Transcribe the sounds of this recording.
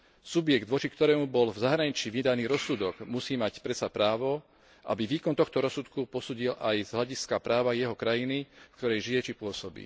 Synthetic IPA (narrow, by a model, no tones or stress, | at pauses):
subjɛɡd̪ʋɔt͡ʃikt̪ɔɾɛːmubɔlvzaɦɾaɲit͡ʃiʋid̪aniːɾɔsːuːd̪ɔɡmusiːmacpɾɛsapɾaːʋɔ | ʔa̰biʋiːkɔnt̪ɔxt̪ɔɾɔsut̪kupɔsuːɟilʔajzɦlaɟiskapɾaːʋajɛɦɔkɾajinifkt̪ɔɾɛjʒijɛt͡ʃipʊɔsɔbḭː